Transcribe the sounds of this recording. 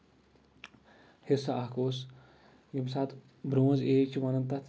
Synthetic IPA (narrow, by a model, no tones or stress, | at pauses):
hesɐakoːs | jimsaːt̪ | bɾoːzeːt͡ʃʰiʋɐnɐnt̪ɐt̪